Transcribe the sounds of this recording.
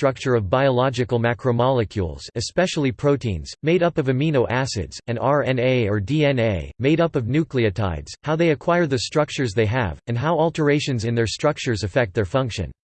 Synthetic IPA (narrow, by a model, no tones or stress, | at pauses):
tɹ̥ʌk̚t͡ʃə˞ʌvbaɪəlɑd͡ʒɨkl̩ˠmækʰɹomɑlˠɨkʰjṵlˠz̥ɨspɛʃl̩ˠipʰɹ̥oʊtĩnz̥meɪɾʌpʌvɨmĩnoʊʔæsɪ̰dz̥ɨ̃nɑɹɛ̃neɪə˞diɛ̃neɪmeɪɾʌpʌvnʉkliɨtʰa̰ɪdz̥haʊðeɪɨkʰw̥aɪəɹðɨstɹ̥ʌk̚t͡ʃə˞zðeɪɨ̰vɨ̃ndɦaʊɔlˠtʰə˞eɪʃɨ̃nzɨ̃nðə˞stɹ̥ʌk̚t͡ʃə˞zɨfɛk̚t̪̚ðɛɹfʌ̃ŋkʃɨ̰̃n